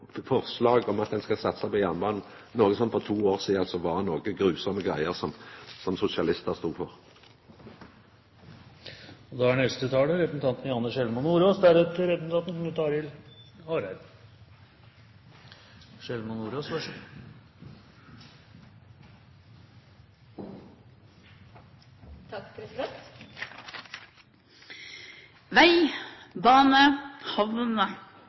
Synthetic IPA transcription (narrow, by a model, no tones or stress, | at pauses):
fɔʁslɑːɡɔmɑt̪̚d̪ɛnskɑsɑt̪ːə̥sɛɪpɔjɑnbɑːnn̩ | noːɡəsɔnfɔt̪ʰuːoːʁsiːd̪ɑlsɔʋɑnoːɡəɡɾʉːsɔməɡʁæɪəʁsɔmsɔmsʊsɪɑlɪst̪əʁst̪uːfɔʁ | ɔd̪ɑænɛst̪ət̪ʰɑːləɾɛpəsn̩t̪ʰɑnt̪n̩jɑnːəʂɛlmənuːɾoːsd̪æɾɛt̪əɾɛpəsn̩t̪ʰɑnt̪n̩mʉt̪ʰɑːɾɪlhɑːɾæ | ʂɛlmɑnuːɾoːsʋɑʂə | t̪ | ʋæɪbɑːnəhɑʋnə